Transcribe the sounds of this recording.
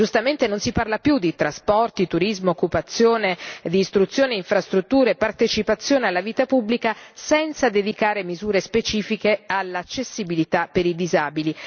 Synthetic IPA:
d͡ʒust̪ament̪enonsiparlapjud̪ːit̪ɾaspɔrt̪it̪uɾizmookːupat̪sːjoːned̪iːst̪ɾut̪sjoːneiɱfɾast̪ɾut̪ːuːɾepart̪et͡ʃipat̪sːjoːnealːaviːt̪apubːlikasɛnt̪sad̪ed̪ikaːɾemizuːɾespet͡ʃiːfikealːat͡ʃːesːibilit̪apːeɾid̪izaːbili

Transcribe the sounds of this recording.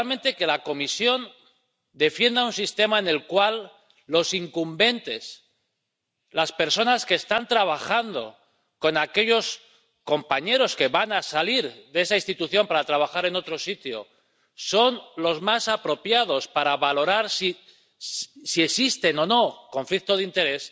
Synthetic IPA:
lmẽ̞nt̪e̞ke̞lako̞misjo̞n | d̪e̞fje̞nd̪aunsist̪e̞maene̞lkwalː | o̞siŋkumbe̞nt̪e̞s | laspe̞ɾso̞naskeːst̪ant̪ɾaβ̞axand̪o̞̰ | ko̞nake̞ʎo̞s | ko̞mpaɲe̞ɾo̞ske̞βanasaliɾðeesainst̪it̪uθjo̞mpaɾat̪ɾaβ̞axaɾe̞no̞t̪ɾo̞sit̪jo̰ | so̞nlo̞zmasapɾo̞pjað̞o̞spaɾaβalo̞ɾaɾsi | sie̞sist̪e̞no̞no̞ko̞ɱflik̚t̪oð̞int̪e̞ɾe̞s

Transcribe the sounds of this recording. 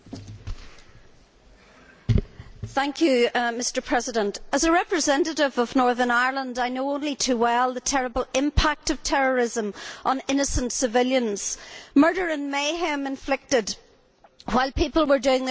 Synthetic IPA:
θæ̃ŋkʰjʉmɪstə˞pʰɹ̥ɛzɨɾə̃ntəzəɹɛpɹɨzɛ̃nɨɾɪvʌvnɔɹðə˞naɪə˞lˠə̃ndaɪnoʊõʊ̃nlitʰʉwɛlˠðətʰɛɹəbəl̩ˠɪ̃mpʰak̚tʌv̥tʰɛɹə˞ɪzə̃mʔə̃nɪ̃nɨsə̃ntsɨvɪlˠjə̃nz̥mɜ˞ɾə˞ɨ̃nmeɪɦɛ̃mɨ̃ɱflɪk̚tɪd̚ | waɪlˠpipəl̩ˠwə˞dʉɪ̃ŋðə

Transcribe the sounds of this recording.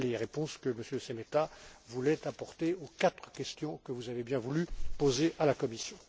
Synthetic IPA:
leʁepɔ̃skəməsjøsemet̪avulɛt̪apɔʁt̪eokat̪χəkʲɛst̪jɔ̃kəvuzavebjɛ̃vulypozeʔalakɔmisjɔ̃

